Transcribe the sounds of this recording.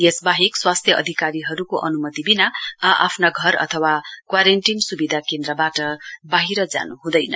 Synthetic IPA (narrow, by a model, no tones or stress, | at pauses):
jesbaɦikswast̪ʰjʌʔʌ̰d̪ʱikaɾiɦʌɾukoʔʌnumʌt̪ibinaaʔa̰pʰnaɡʱʌɾʌ̰t̪ʰʌwakwaɾeɳʈinsubid̪ʱakend̪ɾʌbaʈʌbaɦiɾʌd͡za̰nuɦũd̪ʌjnʌ̰